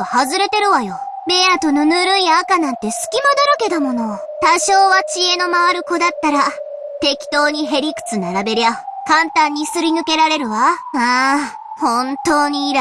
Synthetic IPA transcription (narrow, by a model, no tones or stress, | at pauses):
ohazɨɾe̞t̪e̞ɾɯ̟βajo̞ | beat̪o̞nonɯɾɯiaːkanãnt̪e̞sɨ̥kʲimad̪oɾoke̞d̪amo̞no̞ | t̪aɕo̞ːβat͡ɕie̞no̞maβaɾɯ̟ko̞d̪at̪ːaɾa | t̪e̞kʲi̥t̪o̞ːɲ̟iɦe̞ɾʲikɯ̟̥t͡sɨnaɾabe̞ɾɯjakãnt̪ãɲ̟ːisɨɾʲinɯ̟ke̞ɾaɾe̞ɾɯ̟βaa | hõ̞nt̪o̞ːɲ̟iːɾ